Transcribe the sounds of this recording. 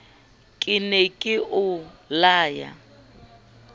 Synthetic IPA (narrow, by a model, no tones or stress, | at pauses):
kʼɪnɛkʼɪʔʊlaːja̰